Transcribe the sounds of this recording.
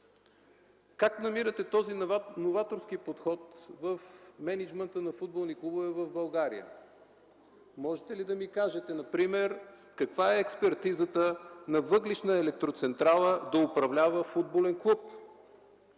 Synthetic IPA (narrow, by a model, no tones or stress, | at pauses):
kaknɐmiɾət̪ɛt̪ɔzinovat̪oɾskipot̪xɔt̪vəfmɛnid͡ʒmɛnt̪ənɐfud̪̚bolˠniklˠubovɛvəvbɐlˠɡaɾḭjə̰ | mɔʒɛt̪ɛlid̪ɐmikaʒɛt̪ɛnɐpɾimɛɾ | kɐkvaɛːkspɛɾt̪izət̪ənɐvɤɡliʃnəɛlɛk̚t̪ɾot̪sɛnt̪ɾalˠəd̪ɐʊpɾɐvlʲavəfud̪̚bolɛnklˠup